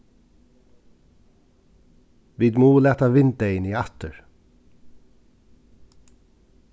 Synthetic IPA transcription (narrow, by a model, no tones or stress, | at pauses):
ʋiːd̪muːlæːt̪aʋɪnt̪ɛɪniːat̪əɹ